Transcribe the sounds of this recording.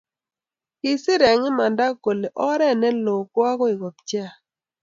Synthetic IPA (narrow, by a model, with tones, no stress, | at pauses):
ɪ˨sɪ˦ɾɛ˨ŋɪ˦ma˨nda˦ko˨le˨ʔɔ˦ɾɛ˦˨nɛ˦lo˨kwa˦kɔ˦i˨ko˨p̚t͡ʃja˦˨